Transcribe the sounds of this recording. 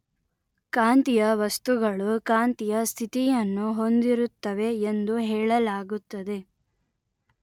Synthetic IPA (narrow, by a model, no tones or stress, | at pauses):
kaːnt̪ijɐʋɐst̪uɡɐɭukaːnt̪ijɐst̪ʰit̪ijɐnːuɦo̞nd̪iɾut̪ːɐʋe̞ːnd̪uɦɛːɭɐlaːɡut̪ːɐd̪e̞